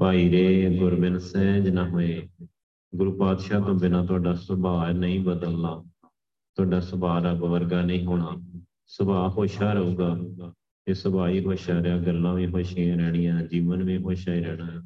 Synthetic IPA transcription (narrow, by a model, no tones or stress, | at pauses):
paːiːɾeːɡʊɾbɪnsɛ̃ːd͡ʒnãːɦoːeː | ɡʊɾuːpaːd̪ʃaːt̪õːbɪnãːt̪ʊaːɖaːsəbaːnəĩːbəd̪əlːaː | t̪ʊaːɖaːsəbaːɾaːbəʋəɾɡaːnəĩːɦoːɳ̃aː | səbaːɦoːʃaːɾəuːɡaː | t̪eːsəbaːiːɦoːʃaːɾɪaːɡəlːãːʋĩːɦoːʃiãɾɛːɽ̃ɪjãːd͡ʒiːʋənʋĩːɦoːʃaːiːɾɛːɽ̃aː